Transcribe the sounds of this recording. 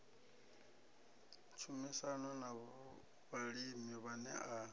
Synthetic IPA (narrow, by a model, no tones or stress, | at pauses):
t͡ʃʰumisanɔnaβɔ | βaɺimiβanɛ̰a